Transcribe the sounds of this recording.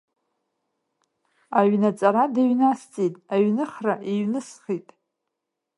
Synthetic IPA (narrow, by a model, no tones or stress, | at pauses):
aɥnat͡sʼaɾadaɥnast͡sʼitʼaɥnɨχraʔiɥnɨsχitʼ